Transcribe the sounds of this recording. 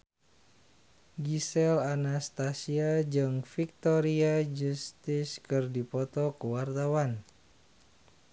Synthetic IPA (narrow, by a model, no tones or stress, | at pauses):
ɡisɛlanast̪asiad͡ʒɨŋfik̚t̪ɔɾiad͡ʒust̪ɪskɨrdipɔt̪ɔkəwart̪awan